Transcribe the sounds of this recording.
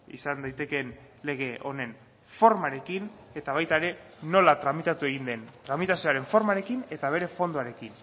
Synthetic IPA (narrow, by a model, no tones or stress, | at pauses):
ḭsand̪ajt̪e̞ke̞n | le̞ɣ̞e̞ʔo̞ne̞n | fo̞ɾmaɾe̞kine̞t̪aβajt̪aeɾe̞ | no̞lat̪ɾamit̪at̪ue̞ɣ̞ind̪e̞nt̪ɾamit̪asioaɾe̞ɱfo̞ɾmaɾe̞kine̞t̪aβ̞e̞ɾe̞fo̞nd̪oaɾe̞kin